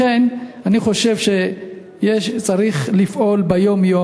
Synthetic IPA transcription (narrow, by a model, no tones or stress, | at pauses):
enaniχo̞ʃe̞vʃe | jeʃt͡saʁiχlifʔo̞lbejo̞mjo